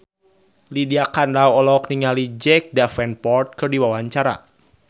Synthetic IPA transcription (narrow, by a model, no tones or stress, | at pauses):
lidiakanlawɔlɔkniŋalid͡ʒɛk̚dafɛnpɔrt̪̚kɨrdiwawaɲt͡ʃaɾa̰